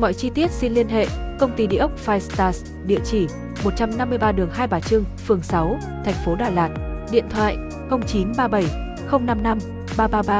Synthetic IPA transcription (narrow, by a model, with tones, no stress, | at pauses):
mɔ̰˧˨jt͡ɕi˧t̪i˦˥ət̚si˧nli˧ənɦḛ˧˨kə˧wŋ͡mt̪i˧ɗḭ˧əʔə˦˥k͡p̚faː˧jst̪aː˧˩s | ɗḭ˧˨ət͡ɕi˧˩ | mo˨˩t̚t͡ɕa˧mna˧mːɨ˧əjɓaː˧ɗɨ˨˩əŋhaː˧jɓaː˨˩t͡ɕɨ˧ŋfɨ˨˩əŋsa˨˦w | t̪ʰɛ˨˩jŋ̟fo˨˦ɗaː˨˩jlaː˨˩t̚ɗḭ˧˨ənt̪ʰwa̰ː˧˨j | xə˧wŋ͡mt͡ɕi˨˦nɓaː˧ɓə˧˩j | xə˧wŋ͡mna˧mna˧m | ɓaː˧ɓaː˧ɓaː˧